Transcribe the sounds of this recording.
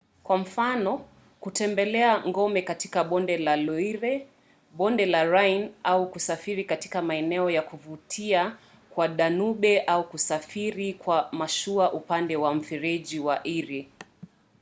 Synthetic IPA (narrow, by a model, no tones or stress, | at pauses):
kwam̩fanɔ | kutɛmbɛlɛaŋɡɔmɛkati̥kaɓɔndɛlalɔiɾɛ | ɓɔndɛlaɾajnaukusafiɾikati̥kamaɛnɛɔjakuvutʰia | kwaɗanuɓɛʔaukusafiɾikwamaʃuaʔupandɛwam̩fiɾɛʄiwaʔiɾi